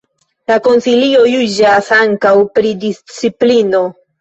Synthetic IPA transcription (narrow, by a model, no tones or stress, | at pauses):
lako̞nsilio̞jud͡ʒasaŋkawpɾidist͡siplino̞